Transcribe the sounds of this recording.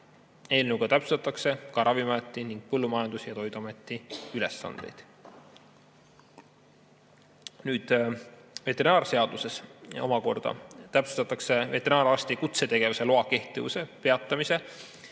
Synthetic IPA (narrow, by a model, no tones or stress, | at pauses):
e̞ːlneuɡ̥ɑt̪æpsu̥t̪ɑt̪ːˑɑkse̞kɑɾʔɑvimɑjɑt̪ːˑiniŋɡ̥̚pɤlːumɑjɑnd̪̥usjɑt̪o̞jd̪uɑme̞t̪ːˑiyle̞sːɑ̰nd̪̥e̞̰jd̪̥ | nyːd̪̥ | ve̞t̪ːˑe̞ɾinɑːrse̞ɑd̪̥use̞so̞̰mɑko̞̰rd̪̥ɑ̰t̪æpse̥t̪ɑt̪ːˑɑkse̞ve̞t̪enɑːɾɑst̪ikut̪se̞t̪e̞ɡ̥e̞vuse̞loɑke̞ht̪ˑivṵse̞pe̞ɑt̪ːˑɑmise̞